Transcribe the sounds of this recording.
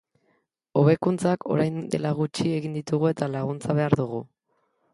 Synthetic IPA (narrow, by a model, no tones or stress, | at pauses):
o̞β̞e̞kunt͡sakʰo̞̰ɾajnd̪e̞laɣut͡ʃie̞ɣind̪it̪uɣ̞ue̞t̪alaɣ̞unt͡saβ̞e̞aɾðuɣ̞u